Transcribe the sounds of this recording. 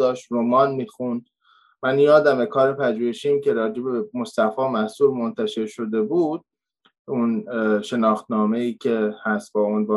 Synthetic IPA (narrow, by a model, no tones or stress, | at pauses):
ɒːʃt̪ɾomɒːnmiːxun | mænjɒːd̪æmbe̞kʰɒːɾepʰæd͡ʒuːjeʃiːmcʲe̞ɾɒːd͡ʒebe̞most̪æfɒːmæsuːɾmo̞nt̪ʰæʃe̞ɾʃo̞d̪e̞buːd̪̥̚ | unʃe̞nɒːxt̪nɒːme̞iːcʰe̞hæst̪̚bɒːunbɒː